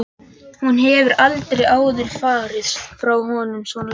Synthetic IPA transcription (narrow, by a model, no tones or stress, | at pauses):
hunɦɛvʏɾalt̪ɾejaːwðɪɾ̥faːɾɪðsfɾawɦɔːnʏmsvɔn